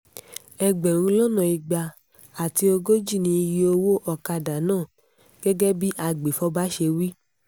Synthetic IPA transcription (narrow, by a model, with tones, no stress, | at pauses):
ɛ˨ɡ͡bɛ˨ɾ̃ũ˧˦lɔ˦nã˨i˧ɡ͡ba˧ | a˨ti˧o˧ɡo˦d͡ʒi˦˨nĩ˧ji˦o˧wo˦ʔɔ˦ka˧da˨˦nãː˦˨ | ɡ̥ɛ˦ɡɛ˦bi˦ʔa˧ɡ͡be˨fɔ˦ba˦ʃe˧wi˦